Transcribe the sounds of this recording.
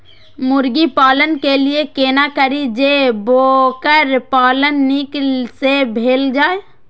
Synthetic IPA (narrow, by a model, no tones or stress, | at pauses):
mʊɾɡipaːlənkeliekeːnakəɾid͡ʒebokəɾpaːlənːiksebʱeːld͡ʒaːe